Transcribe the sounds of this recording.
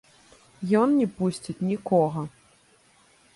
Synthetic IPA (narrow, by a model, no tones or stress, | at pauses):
jɔnnʲɛpusʲt͡sʲit͡sʲnʲikɔɣɐ